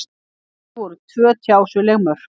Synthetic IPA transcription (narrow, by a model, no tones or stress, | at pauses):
ɔɾʏt̪ʰvœːt̪ʰjaːwsʏlɛɣmœɾ̥